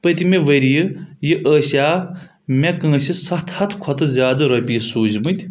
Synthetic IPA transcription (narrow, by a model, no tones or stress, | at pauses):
pɐt̪ʲimeʋɐɾijɨjiʔəːsjaː | mekɐŋɐsisɐht̪ʰhɐt̪ʰkʰɔt̪ɨzʲjaːd̪ɐɾɐpʲijsuːzmɨt̪ʲ